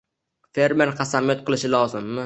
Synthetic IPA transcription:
fe̞ɾme̞ɾqʰɑsamijɒt̪̚qʰɨlˠɪʃɪlˠɒzɪmːɪ

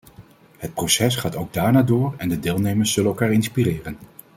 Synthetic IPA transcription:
ɦət̚prosɛsχaːtowɡ̚daːɹnaːdʊːɹɛndədɪːlˠnejməɹsz̥ɵlənolkaːɹɪnspirɪːrən

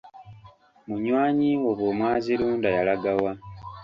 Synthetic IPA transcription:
muɲwaːɲioβwomwaːziluːndajalaɡawa

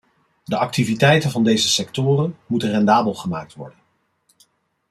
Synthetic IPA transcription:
dəʔɑk̚tivitɛjtənvɑndejzəsɛktʊːrənmutənrɛndaːbəlˠχəmaːk̚tʋɔ̰ɹdən

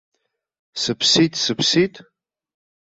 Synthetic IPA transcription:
sɨpʰsitʼsɨpʰsitʼ

